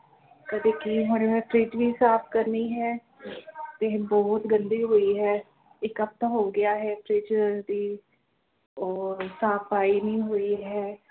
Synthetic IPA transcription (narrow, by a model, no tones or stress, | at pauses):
kəd̪eːkiɦəɽemɛ̃pɾeːd͡ʒʋiːsaːpʰkəɾniːɦɛː | t̪eːbɔːt̪ɡənd̪iːɦoːiːɦɛː | ɪkəp̚t̪ãːɦoːɡɪjaːɦɛːpʰɾɪːd͡ʒəɾd̪iː | ɔːɾsaːpaːiːnĩːɦoːiːɦɛː